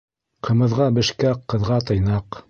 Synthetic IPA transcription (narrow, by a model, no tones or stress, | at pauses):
qɤ̆mɤ̆ðʁɑbɘ̆ʃkæqːɤ̆ðʁɑt̪ɤ̆jnɑq